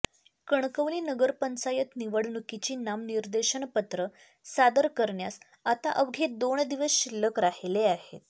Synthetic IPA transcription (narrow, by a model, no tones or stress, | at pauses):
kəɳkəʋliːnəɡəɾpənt͡sajət̪niʋəɽnukit͡ɕiːnamniɾd̪əɕəɳpət̪ɾə | sad̪əɾkəɾɳjas | at̪a̰ʔəʋɡʱed̪oɳd̪iʋəsɕilːəkɾaheleaɦḛt̪̚